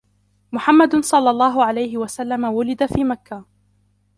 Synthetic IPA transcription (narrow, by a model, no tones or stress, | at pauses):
mʊħamːad̪sˤɑlːɑlˤːɑːɦʊʕalajɦɪwasalːamawʊlɪd̪afiːmakːa